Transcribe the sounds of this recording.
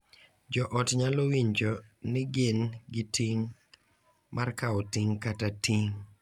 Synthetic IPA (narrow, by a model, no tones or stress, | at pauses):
d͡ʒɔʔɔtɲalowiɲd͡ʒɔnɪɡɪnɡɪtiŋ | markaɔtiŋkatatiŋ